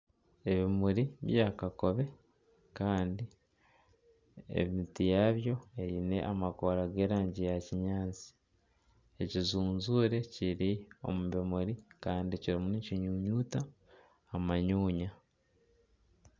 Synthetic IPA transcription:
e̞βimuɾiβjaːkako̞βe̞ | kaːndi | ḛβiitijaːβjo̞e̞ɾine̞̰ʔamako̞ɾaɡe̞ːɾaːɲɟijaciɲaːnt͡si̥ | e̞cizuːnzuːɾe̞ciɾio̞̰muβemuɾikaːndiciɾimuniciɲuːɲuːtaː | maɲuːɲa

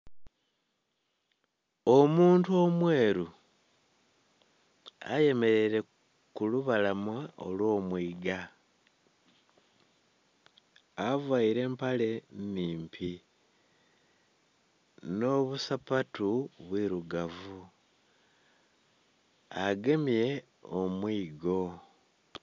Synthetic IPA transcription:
omuːntuo̞mwe̞ːɾu | a̰je̞me̞ɾe̞ɾe̞ | kuluβalamwao̞̰lwo̞ːmwiːɡa | avwaiɾe̞ːmpale̞niːmpʰi | no̞βusapatuβwiɾuɡavu | aɡe̞mje̞ | omwiːɡo̞

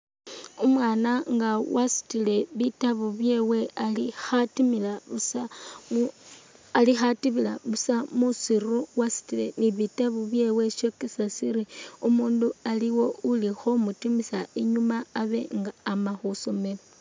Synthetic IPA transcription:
umwaːnaŋɡawʔasi̥tile̞βitaβuβje̞we̞alixatimilaβusa | lixatiβila̰βusamusiruwasi̥tile̞niβitaβuβje̞ːwe̞ʃokisasiɾiumuːndualiwo̞ulixo̞mutimisaeɲumaːβe̞ŋɡaːmaxuso̞me̞lo

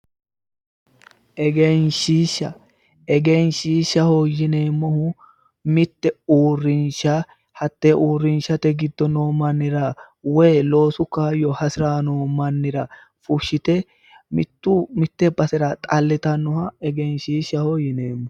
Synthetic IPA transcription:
ʔɛɡenʃiːʃːɐ | ɛɡenʃiːʃːɐhojɪne̞ːmːɔhʊ | mɪt̪ːɛuːrːɪnʃɐ | hɐt̪ːeʔuːrːɪnʃɐt̪ɛɡɪd̪ːɔnoːmɐnːɪɾɐ | wɛːlo̞ːsʊkːɐjɔhɐsɪɾaːnoːmɐnːɪɾɐ | fʊʃːɪt̪ɛ | mɪt̪ːumɪt̪ːɛbɐsɛɾɐt̪ʼɐlːɪt̪ɐnːʊhɐɛɡenʃiːʃɐhojɪneːmːɔ

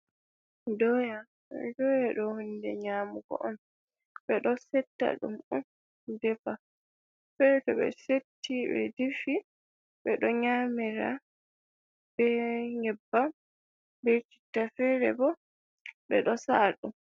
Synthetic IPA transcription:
dɔja | dɔjaɗɔhundɛɲaːmuɡɔ̰ʔɔn | ɓɛɗɔsɛtːa̰ɗṵmun | dɛfa | fɛɾtɔɓɛ̰setːibɛ̰difi | ɓɛɗɔɲamiɾa̰ | bɛɲɛbːa | bɛt͡ʃi̥tːafɛːɾɛbɔ | ɓɛ̰ɗɔsaːɗum

